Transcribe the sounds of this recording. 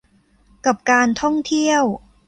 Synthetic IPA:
ka˨˩p̚kaː˧nt̪ʰɔ˥˩ŋt̪ʰi˥˩əw

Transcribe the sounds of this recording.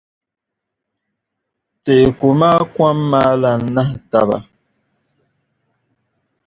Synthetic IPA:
te˨ku˨maː˦kwa˦mːa˦la˨n̩˨˦na˦hta˨ba̰˨

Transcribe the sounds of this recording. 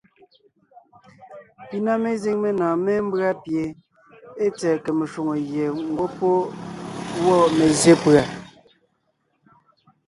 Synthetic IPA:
pi˨na˦me˦zi˦˨ŋme˦nãː˨me˦m̩˦bɰa˦pje˨ | e˦t͡sɛː˨ke˨me˨ʃwo˨ŋo˨ɣje˨ŋ̩˦ɡo˦po˦ | wɔ˦˨me˨ze˦pɰa˨

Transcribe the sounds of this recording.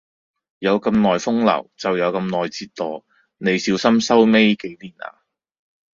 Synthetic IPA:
jɐ˨˧wkɐ˧mnɔː˨jfʊ˥ŋlɐ̰˨˩wt͡sɐ˨wjɐ˨˧wkɐ˧mnɔː˨jt͡siː˧tt̪ːɔː˨ | ne˨˧jsiː˨˧˥wsɐ˥msɐ˥wme˥jke˨˥jliː˨˩na̰ː˧

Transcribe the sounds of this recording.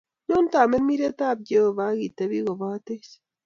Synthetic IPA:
no˦nta˨me˦mi˦ɾe˦t̪a˦˨b̚ɟo˦˨βa˦ɣi˨te˦βi˦ɣo˨βa˦te˦s

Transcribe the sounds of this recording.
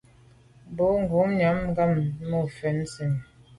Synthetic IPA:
bo˨˦ŋ˨ɡu˨˦mɲa˨˦m˦ɡa˦˨mːo˦˨fɛ˨n˦si˨m

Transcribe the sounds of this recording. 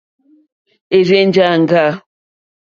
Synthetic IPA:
e˨ɾe˦n˦d͡ʒa˦˨ŋ˨ɡa˦˨

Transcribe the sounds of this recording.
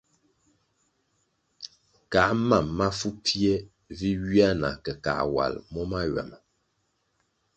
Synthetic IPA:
ka˨˦ma˦˨mːa˦fu˦pje˦ | vi˦ɥi˦a˦na̰˨kə˨ka̰˨wa̰˨lmɔ˦ma˦ɥɛ̰˨m˨

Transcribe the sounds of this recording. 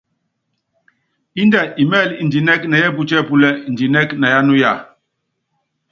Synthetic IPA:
i˦ndɛ˨ʔi˨mɛ˦˨li˨nd͡ʒi˨nɛ˦kna˨jɛ˦pu˦t͡ʃɛ˦pu˨lɛ˦˨n̩˨di˨nɛ˦kna˨ja˦nu˦ja˦˨

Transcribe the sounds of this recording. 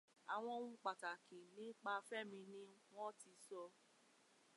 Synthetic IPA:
a˨w̃ɔ̃˧ũ˧k͡pa˨ta˨kĩ˨nĩ˨˦k͡pa˧fɛ˦˨mĩ˧nĩ˦w̃ɔ̃˦ti˧sɔ˧

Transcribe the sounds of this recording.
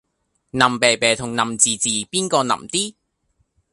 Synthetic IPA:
nɐ˨mpeː˨˩jpɛː˨˩t̪ʰʊ˨˩ŋnɐ˨mt͡siː˨t͡siː˨piː˥nkɔː˧nɐ̰˨˩mt̪iː˥

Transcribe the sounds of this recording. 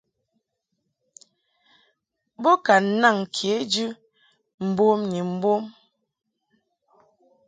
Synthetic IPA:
bo˦ka˨n̩˦na˦˨ŋkʰje˨˦d͡ʒʉ˦ | m̩˨bo˦mni˨m̩˦bo˦m

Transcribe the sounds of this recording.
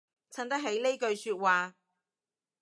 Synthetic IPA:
t͡sʰɐ˥nt̪ɐ˥k̚ɦe˨˥jle˥jkɵ˧ɥsyː˧t̚waː˨˧

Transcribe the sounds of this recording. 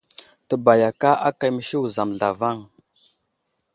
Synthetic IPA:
tə˨ba˨ja˨ka˦ʔa˦ka˨jmə˨ʃi˦wu˨za˨mɮa˨va˦˨ŋ

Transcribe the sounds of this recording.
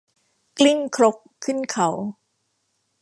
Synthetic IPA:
kli˥˩ŋkʰɾo˦˥kʰːɯ˥˩nkʰa˩˦w

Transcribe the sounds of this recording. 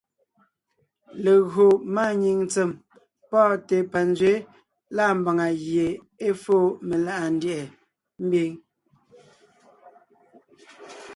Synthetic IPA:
le˨ɣo˨ma˦˨ɲi˨ŋnt͡se˨m | pɔː˦˨te˨pa˨nd͡zɥe˨˦ | la˦˨m̩˨ba˨ŋa˨ɣje˨ | e˦fo˦˨me˨la˦ʔa˨n˦djʔɛ˨ | m̩˦bi˦ŋ

